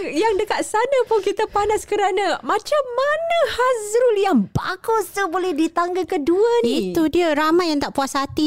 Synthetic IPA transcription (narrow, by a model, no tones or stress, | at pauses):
jaŋdəkat̪̚sanapʊnkit̪apanaskəɾanamãt͡ʃamːanəhazɾʊljaŋba̰kɔst̪ubolɛhdit̪aŋɡəkəduanit̪udiəɾamajːaŋt̪aʔpuasat̪i